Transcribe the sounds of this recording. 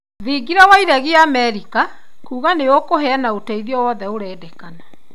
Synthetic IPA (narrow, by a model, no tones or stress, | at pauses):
ðiɡiɾawaiɾaɣiaːmɛɾika | kuːɣaneokoɦɛanaotɛiðiɔwɔðɛoɾɛːdɛkana